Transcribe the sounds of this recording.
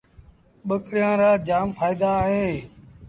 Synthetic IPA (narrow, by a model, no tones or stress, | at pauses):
ɓəkɾɪjãːɾaːd͡ʒaːmfʰaːid̪aːɦẽː